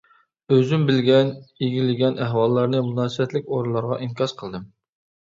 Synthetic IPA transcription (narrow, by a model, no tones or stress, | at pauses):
øzymbɪlɡʲɛniɡʲilɪɡʲɛnʔæɦwɑlˠːɑɾnɨmunɑːsɨwɛt̪lɪkʲoɾulˠɑɾʁɑ̰ʔiŋkʲʰɑʃqʰəlˠd̪ɨm